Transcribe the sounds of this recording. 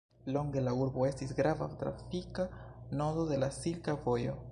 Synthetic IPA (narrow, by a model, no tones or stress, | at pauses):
lo̞ŋɡe̞lauɾbo̞e̞stisɡɾava̰t̪ɾa̰fikano̞dod̪e̞lasilkavojo̞̰